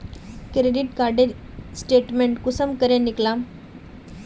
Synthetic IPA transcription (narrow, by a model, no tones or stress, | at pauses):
kɾeɖiʈkaɾɖe | sʈeʈmeɳʈkusəmkəɾjãniklã